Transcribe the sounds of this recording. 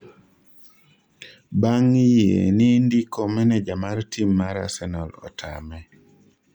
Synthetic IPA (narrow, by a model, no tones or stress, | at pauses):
baŋjḛnindikɔmɛnɛd͡ʒamartimːaɾa̰sɛnalɔ̰tʰa̰mɛ